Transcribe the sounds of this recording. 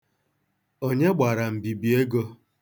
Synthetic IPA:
o˦ɲe˦ɡ͡ba˨ɾa˨m̩˨bi˨bi˨e˦ɡo˦

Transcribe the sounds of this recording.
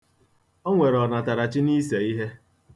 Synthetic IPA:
o˦ŋʷe˨ɾɔ˨na˨ta˨ɾa˨t͡ʃɪ˦ni˦se˨i˦ɦe˦

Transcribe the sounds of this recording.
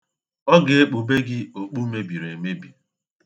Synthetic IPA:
ɔ˦ɡe˨e˦k͡po˨be˦ɡɪ˦o˨k͡pu˦me˦bi˨ɾe˨me˦bi˨

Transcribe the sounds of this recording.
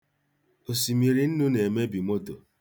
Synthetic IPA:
o˨si˨mi˨ɾi˦n̩˦nu˦ne˨e˨me˦bi˨mo˦to˨

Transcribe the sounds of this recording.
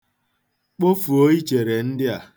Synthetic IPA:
k͡po˦fu˨o˦i˦t͡ʃe˨ɾe˨n̩˦dɪ˦a˨

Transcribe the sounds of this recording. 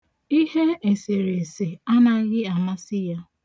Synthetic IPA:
i˦he˦e˨se˨ɾe˨se˨a˦na˦ɣɪ˦a˨ma˦sɪ˦ja˦

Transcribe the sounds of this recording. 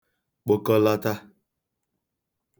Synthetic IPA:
k͡po˨kɔ˦la˦ta˦

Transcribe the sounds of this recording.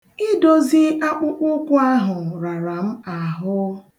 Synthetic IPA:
ɪ˦do˨zi˦ʔa˦k͡pʊ˦k͡pʊ˦kʷʊ˦a˦ɦʊ˨ɾa˨ɾa˨m̩˦a˨ɦʊ˦

